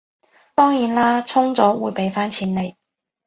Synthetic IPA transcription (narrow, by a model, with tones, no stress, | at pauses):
t̪ɔː˥ŋjiː˨˥nlaː˥t͡sʰʊ˥ŋt͡sɔː˨˥wuː˨˧jpe˨˥jfaː˥nt͡sʰiː˨˥nle˨˧j